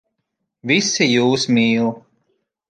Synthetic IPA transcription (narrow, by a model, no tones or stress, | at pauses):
visijuːsmiːu